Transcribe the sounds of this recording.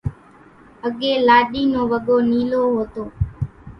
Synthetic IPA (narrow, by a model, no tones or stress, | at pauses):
əɠeːlaːɗiːnõːʋəɠoːniːloːɦoːt̪oː